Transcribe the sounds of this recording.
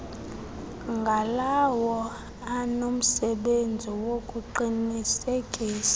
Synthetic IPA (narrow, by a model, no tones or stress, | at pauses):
ŋɡʱalawɔ | anom̩sɛɓend͡zʱiwokʼuǃinisekʼiːsḁ